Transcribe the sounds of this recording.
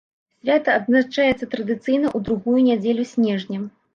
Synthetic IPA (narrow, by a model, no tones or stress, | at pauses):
sʲvʲat̪ɐɐd̪zat͡ʂajɛt̪sːɐt̪ɾɐd̪ɨt̪sɨjnɐʔud̪ɾuɣujunʲad͡zʲɛlʲusʲnʲɛʐnʲɐ